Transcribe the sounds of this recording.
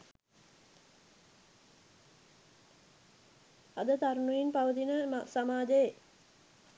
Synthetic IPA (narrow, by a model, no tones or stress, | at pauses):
ad̪ət̪aɾunuinpaʋət̪inəmasamaːd͡ʒeje